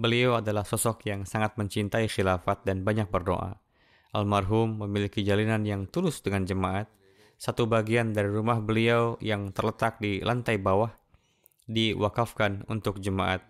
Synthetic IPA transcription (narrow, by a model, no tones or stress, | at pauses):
bəliawadalahsɔsɔkjaŋsaŋat̪̚məɲt͡ʃint̪aixilafat̪̚danbaɲak̚bərdo̰ʔa̰ | ʔalmarɦumːəmilikid͡ʒalinanjaŋt̪ulʊsdəŋand͡ʒəmaʔat̪̚ | sat̪ubaɡiandaɾiɾumahbəliawjaŋt̪ərlət̪ak̚dilʔant̪ajbawah | diwakafkanṵnt̪ʊk̚d͡ʒəmaʔat̪̚